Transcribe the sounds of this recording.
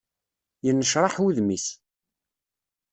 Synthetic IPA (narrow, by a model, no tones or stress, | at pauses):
jənːəʃɾˤɑħuðmis